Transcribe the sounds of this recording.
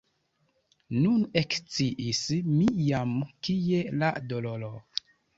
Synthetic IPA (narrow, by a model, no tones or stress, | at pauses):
nunekt͡siʔismijamkije̞ladololo